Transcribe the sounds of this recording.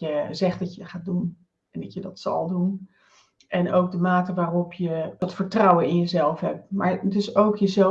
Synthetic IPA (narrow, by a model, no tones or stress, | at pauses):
əzɛxdɔtjəχaːt̚dun | ɛndɑtjədɔtsɔ̰lˠdun | ʔɛnowk̚dəmaːtəʋaːropjəd̥ɔtfəɹtrawənɪnjəzɛlˠfɦɛp̚maɹtɪsoːkjəzɛ